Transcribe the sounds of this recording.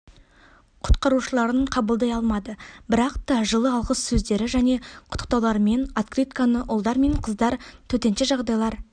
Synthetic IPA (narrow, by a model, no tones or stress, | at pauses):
qʰʊ̥t̪qɑɾuʃəlˠɑɾəɴqʰɑbəlˠd̪ɑjɑlˠmɑd̪əbɪɾɑqt̪ɑʒəlˠəɑlˠʁəssɵzd̪e̞ɾɪʒæne̞qʰʊ̥t̪ə̥q̚t̪ɑwlˠɑɾme̞nat̪krit̪kanəʔʊlˠd̪ɑɾme̞ɴqʰəzd̪ɑɾt̪ʰɵt̪e̞nʃɪʒɑʁd̪ɑjlˠɑɾ